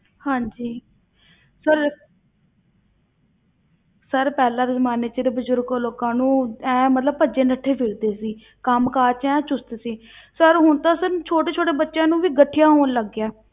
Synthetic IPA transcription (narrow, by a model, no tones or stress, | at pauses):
hãːɲd͡ʒiː | səɾ | səɾpɛːlaːɾzəmaːneːt͡ʃeɾeːbəzʊɾɡoloːkãːnũːɛ̃ːmət̪ləb̚pəd͡ʒeːnəʈʰːeːpʰɪɾd̪eːsiː | kəmkaːt͡ʃɛ̃ːt͡ʃʊst̪siː | səɾɦʊɳt̪ãːsəɾt͡ʃʰoːʈeːt͡ʃʰoːʈeːbətːʃjãːnũːʋiːɡəʈʰːɪjãːɦoːnləɡːjaː